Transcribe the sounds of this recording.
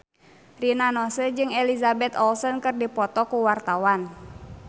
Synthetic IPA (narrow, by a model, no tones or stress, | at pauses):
rinanɔsəd͡ʒɨŋɛlizabɛt̪ɔlsɔnkɨrdipɔt̪ɔkuwart̪awan